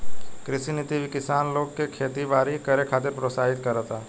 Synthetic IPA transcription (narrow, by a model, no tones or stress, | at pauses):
kɾɪsinɪt̪iʋʱikɪsaːnloːɡkekʰeːt̪iʋaːɾikɐɾekʰaːt̪eɾpɾoːsaːɦɪt̪kɐɾət̪aː